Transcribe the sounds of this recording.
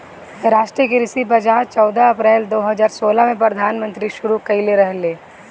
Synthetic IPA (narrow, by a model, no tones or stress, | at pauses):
ɾaːʃʈɾiəkeɾɪsipɐd͡ʒaːt͡ʃɔːd̪aɐpɾɛːld̪oːɦɐzaːɾsoːlamẽpɾəd̪ʱaːnmə̃nt̪ɾiʃʊɾukɐileɾɐɦleː